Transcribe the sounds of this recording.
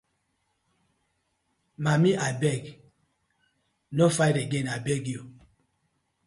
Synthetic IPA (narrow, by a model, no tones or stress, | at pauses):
mamiʔabɛk | nɔfajɾeɡenabɛɡio